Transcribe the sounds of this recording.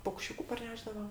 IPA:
pɐʊkʃʲˈt͡ʃʲuːkʊ pɐrʲˈnʲæːʒdɐʋɐ

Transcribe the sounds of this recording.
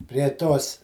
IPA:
pʲrʲiɛ ˈtoːs

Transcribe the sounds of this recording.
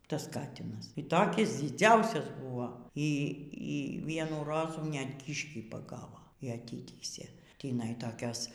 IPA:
ˈtɐs ˈkɑːtʲɪnɐs iː ˈtoːkʲɪs d͡zʲɪˈd͡zʲɛʊsʲɛs ˈbʊʋoː iː iː ˈʋʲiɛnuː ˈroːzuː nʲɛt ˈkʲiːʃʲkʲiː pɐˈɡɑːʋoː iː ɐˈtʲiːtʲiːsʲeː tʲiːˈnɐɪ toːˈkʲoːs

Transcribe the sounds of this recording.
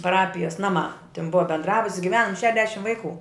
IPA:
pɐˈrɑːpʲɪjɛs ˈnɑːˌmɑː tʲɪn ˈbʊɐ bʲɛndˈrɑːbʊtʲsʲ ɡʲɪˈʋʲæːnɐm ˈʃʲæːdʲɛʃʲɪm ˈʋɐɪˌkʊ

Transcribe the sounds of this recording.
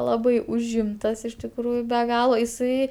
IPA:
ˈlˠɑːbɐɪ ʊʒʲˈɪmtɐs ɪʃ tʲɪkˈruːjʊ bʲɛ ˈɡɑːlˠoː ɪˈsɐɪ

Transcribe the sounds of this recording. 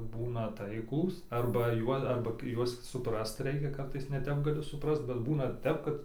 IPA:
ˈbuːnɐ ˈtɐɪklˠuːs ɐrbɐ ˈjuɔ ɐrbɐ ˈjuɔs sʊˈprɐst ˈrʲɛɪkʲɛ ˈkɐrtɐɪs nʲɛˈtʲɛp ɡɐˈlʲɪ sʊˈprɐst bʲɛt ˈbuːnɐ ˈtʲɛp kɐt

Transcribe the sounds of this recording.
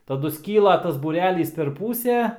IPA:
tɐˈdʊ ˈsʲkʲiːlˠɐ tɐs buːˈrʲæːlʲiːs pʲɛr ˈpuːsʲæː

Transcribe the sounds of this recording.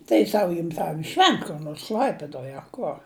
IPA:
tɐɪ ˈsɐʊ ˈjɪm tʲɛn ɪ ˈʃʲʋʲɛnt kʊr ˈnoːrs ˈklʲɐɪpʲɪdoːj ɐ ˈkoːr

